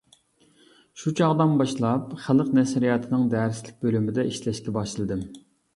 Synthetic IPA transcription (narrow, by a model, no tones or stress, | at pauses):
ʃut͡ʃʰɑʁd̪ɑnbɑʃlˠɑpχæləqnɛsɾijɑt̪ʰɨnɪŋd̪æɾslɪk̚ʲbølymɪd̪ɛiʃlɛʃkʲɛbɑʃɨlˠɨd̪ɪm